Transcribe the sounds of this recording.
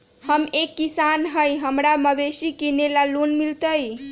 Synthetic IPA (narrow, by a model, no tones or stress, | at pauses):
həmekːisanɦəjɦəmɾaməbesikinelalunmilt̪əj